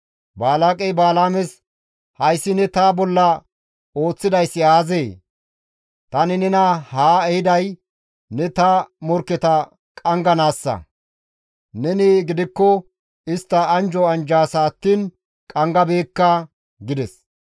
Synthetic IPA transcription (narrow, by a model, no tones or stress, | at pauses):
baːlaːkʼɛjbaːlaːmɛs | hɐjsːɪnɛt̪aːbɔlːɐ | o̞ːt͡sːɪd̪ɐjsːɪaːzeː | t̪ɐnɪnɛnɐhaːɛhɪd̪ɐj | nɛt̪ɐmɔɾkːɛt̪ɐ | kʼɐŋɡɐnaːsːɐ̰ | nɛniɡɪd̪ɪkːɔ | ɪst̪ːɐːnd͡ʒɔɐnd͡ʒaːsaːt̪ːiːn | kʼɐŋɡɐbeːkːɐ | ɡɪd̪ɛs